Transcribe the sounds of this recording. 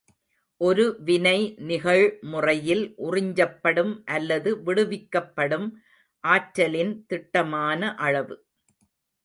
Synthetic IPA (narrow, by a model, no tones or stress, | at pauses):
ʔɔɾɯʋɪnɐɪnɪɣɐɻmʊrɐjɪlʔʊrɪɲd͡ʒɐpːɐɽɯmʔɐlːɐðɯʋɪɽɯʋɪkːɐpːɐɽɯm | ʔaːʈɾɐlɪnt̪ɪʈːɐmaːnɐʔɐɻɐʋɯ